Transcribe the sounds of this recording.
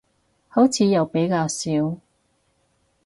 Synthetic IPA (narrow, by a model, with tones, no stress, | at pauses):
ho˨˥wt͡sʰiː˨˧jɐ˨wpe˨˥jkaː˧wsiː˨˥w